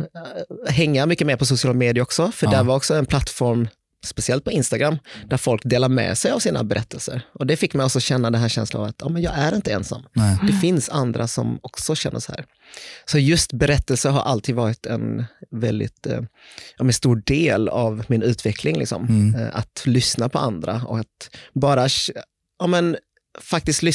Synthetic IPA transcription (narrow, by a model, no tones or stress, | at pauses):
ɦɛŋːamʏkːəmeːɾpʰɔsʊsɪɑːlameːd̪ɪaɾɔksɔfœɖææɾvaɾɔksɔɛnpʰlat̪ːfɔɾm | spɛsɪɛlt̪̚pʰɔɪnst̪aɡɾamːd̪̥æɾfɔlkd̪eːlaɾmɛ̰sɛjavsiːna̰bɛɾɛt̪ːəlsə̰ɾʔɔd̪ɛfɪkːmɛjɔksɔɕɛnːad̪ɛnɦæːɾɕɛ̰nsla̰na̰vat̪jɑ̰ːmɛnjɑːɡæɾɪnt̪əɛnsa̰mːd̪̥ɛfɪnsand̪ɾʔasɔ̰mɔksɔɕɛnːə̰shæ̰ːɾ | sɔjɵst̪bɛɾɛt̪ːəlsəɦaɾʔalt̪ʰiːd̪vɑːɾɪt̪ʰɛ̰nvɛld̪ɪ̰t̪ | jɑmɛnst̪uːɖeːlavmɪnʉ̟ːt̪ʰvɛkʰlɪŋlɪ̰ksɔ̰ma̰t̪lʏsnapʰɔand̪ɾaɔ̰kat̪bɑːɾa | ɑːmɛn | fak̚t̪ɪsk̪t̪lɪ